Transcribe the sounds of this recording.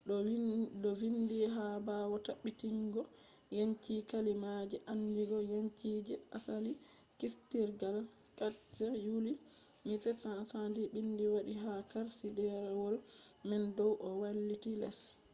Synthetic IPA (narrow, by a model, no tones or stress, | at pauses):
ɗɔwindiɦabawɔtaɓːitiŋɡɔ | jaɲt͡ʃikalimad͡ʒɛʔandiɡɔjaɲt͡ʃiːd͡ʒɛʔasali | kistiɾɡal | kad͡ʒɛjuli | mitɛsasadiɓindiwaɗiɦakaɾsidɛɾɛwɔl | mɛndɔwʔɔwalːitilɛ̰s